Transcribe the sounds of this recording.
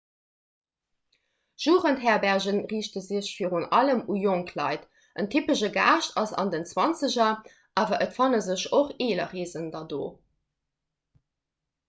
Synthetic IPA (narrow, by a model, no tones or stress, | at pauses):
ʒ̥uːʁəntɦɛːɐbæʁʑənʁiːɕtəzəɕfiːʁunʔɑləmujoŋkʰlɑ̰ɪt | əntʰypəʃəɡa̰ːʃtɑsɑ̰ndənt͡swɑnt͡səʑɐ | ʔaːvɐʔətfɑnəzəɕoχeːlɐ̰ʁiːzəndɑdo̰ː